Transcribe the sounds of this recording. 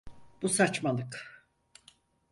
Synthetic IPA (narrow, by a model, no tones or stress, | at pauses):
b̥usat͡ʃmalˠɯk